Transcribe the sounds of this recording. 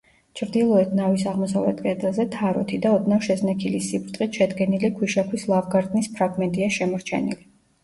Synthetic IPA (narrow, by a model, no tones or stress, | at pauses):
t͡ʃʰɾd̪ilˠɔɛt̪ʰnavisaʁmɔsavlɛ̰t̪̚ʰkʼɛd̪ɛlˠzɛt̪ʰaɾɔ̰t̪ʰid̪aɔd̪nafʃɛznɛkʰilisibɾt̪ʼχʼit̪ʃɛd̪ɡɛnilikʰwiʃakʰwislˠavɡaɾt̪ʼnispʰɾaɡmɛnt̪ʼiaʃɛmɔɾt͡ʃʰɛ̰nḭli